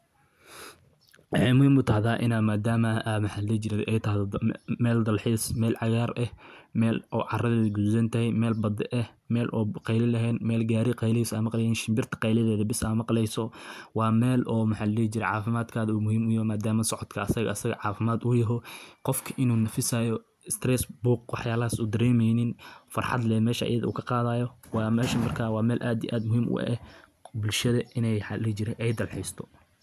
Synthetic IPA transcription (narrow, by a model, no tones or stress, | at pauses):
wɑħɑjmʊhiːmʊt̪ʰɐhðaːʔɪ̰naːmaːd̪aːmɐamɐħaːllɛːt͡ʃɪɾɛðʔɛjt̪ʰɐɦðmɛːld̪ɐlħiːsmɛːlʕɑɣaːrɛhmɛːlʔɔ̰ːʕɑrɐðɛːðɡud̪sɐnt̪ʰɐhɛjmɛːlbɐd̪ɛʔɛhmɛːlʔɔːqɛjlɪlɐɦɛːnmɛːlɡaːɾɪqɛjlɪhiːsaːmɑqlɛjɛːnʃɪmbɪrt̪ʰɐ̥qɑjlɐðɛːðɐbɪsaːmɑqlɛjsɔwɑːmɛːlʔɔːmɐħaːlɐlɛːht͡ʃɪɾɛʕɑːfɪmaːd̪kʰaːðɐuːmʊɦiːmʊjɐɦɔmaːd̪aːmɐsɔʕɔd̪kʰɐɐsɐɣɐɐsɐɣɐ̰ʕɑːfɪmaːd̪ʊjɐɦɔqɔfkʰɐʔɪnuːnɐfɪsaːjɔ | ɪst̪ʰrɛːsbuːq̚wɑħjaːlɐɦasuːd̪ɐɾɛːmɛjnɪnfɑ̰rħɑ̰d̪lɛːmɛːʃɐʔɐ̰jɐðɐṵːkʰɐqɑːðaːjɔwɑːmɛːʃɐmɐrkʰaːwɑːmɛːlʔaːd̪ḭʔaːd̪mʊɦiːmʔʊ̰ʔʔɛ | bʊlʃɐðɐʔɪnɛjħɑlɛt͡ʃɪɾɛʔɛjd̪ɐlħɛjst̪ʰɔ̥